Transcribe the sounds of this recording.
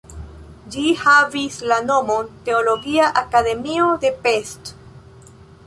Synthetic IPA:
d͡ʒihavislano̞mo̞nte̞olo̞ɡiaʔakade̞miod̪e̞pest

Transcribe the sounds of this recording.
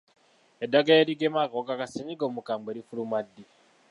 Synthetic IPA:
edːaɡaeɾiɡemakokakaseɲiɡoːmukaːmbeɾifulumadːi

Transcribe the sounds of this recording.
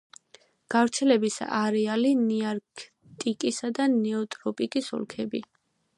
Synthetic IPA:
ɡ̥avɾt̪sʰɛlɛbisa̰ʔaɾɛaliniaɾkʰ | t̪ʼikʼisad̪anɛɔt̪ʼɾɔpʼikʼisɔ̰lˠkʰɛbi

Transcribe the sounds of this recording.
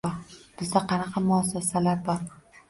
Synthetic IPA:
ɒɾb̥ɪzd̪aqʰɑnɑqʰɑmʊas̬ɛsalaɾbɒɾ

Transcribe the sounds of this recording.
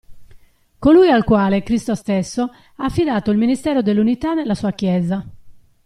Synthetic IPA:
kolujalkwaːlekɾist̪ost̪ɛsːo | aːfːid̪aːt̪oilminist̪ɛːɾod̪elːunit̪anelːasuːakjɛːza

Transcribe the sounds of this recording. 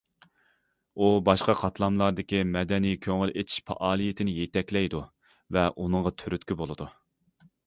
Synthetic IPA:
ubɑʃqɑqʰɑt̪ʰlˠɑmlˠɑɾd̪ɪkʲimɛd̪ɛnijkʲʰøŋylet̪ʰi̥ʃpʰɑ̰ʔɑːlˠijet̪ʰɪnɪjet̪ʰɛkʲlɛjd̪u | vɛʔunɨŋʁɑt̪ʰyɾyt̪kʲibolˠɨd̪u

